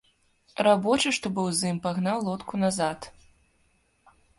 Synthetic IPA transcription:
ɾabɔt͡ʂɨʂt̪ɔbɨwzɨmpaɣnawlˠɔt̪kunazat̪

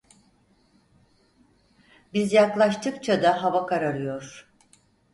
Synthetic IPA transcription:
bizjaklˠaʃt̪ʰɯkt͡ʃʰad̪aɦavakʰaɾaɾɯjo̞ɾ̥

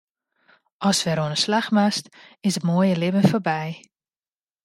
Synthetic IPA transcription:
ʔɔsʋɛɾoənəslaxmast | ɪsətmoəjəlɪbənforbɛj

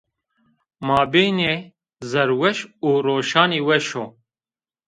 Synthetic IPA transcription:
maːbeːne | zɐɾwɐʃuːɾoːʃaːniːwɐʃo

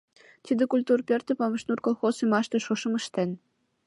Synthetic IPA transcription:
t̪id̪ĕkulʲt̪urpʲert̪ĕpɑmɤ̆ʃnurkolˠxosymɑʃt̪ĕʃoʃɤ̆mə̆ʃt̪en

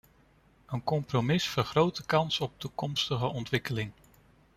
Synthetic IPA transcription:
ənkɔmpromɪsfəɹχrowtəkɑnsɔp̚tukɔmstəχəʔɔntʋɪkəlɪŋ

